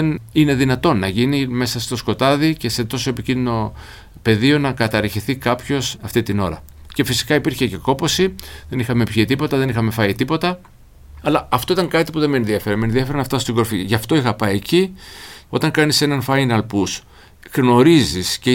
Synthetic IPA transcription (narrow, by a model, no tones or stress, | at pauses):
enine̞ðinɐt̪o̞nːɐʝinime̞sɐst̪o̞sko̞t̪ɐðice̞se̞t̪o̞so̞epicind̪ino̞ | pe̞ðio̞nɐkɐt̪ɐɾçiθikɐpço̞sɐft̪it̪ino̞ɾɐ̰ | ce̞fisi̥kɐipiɾçe̞ce̞ko̞po̞siðe̞nixɐmepçit̪ipo̞t̪ɐðe̞nixɐme̞fɐit̪ipo̞t̪ɐ | ɐlɐɐft̪o̞it̪ɐŋkɐt̪ipuðemenðiɐfeɾɐmenðiɐfe̞ɾɐnɐft̪ɐst̪iɡo̞ɾfiʝɐft̪o̞ixɐpɐjeci | o̞t̪ɐŋkɐnise̞nɐnfɐinɐlpus | ɣno̞ɾizisce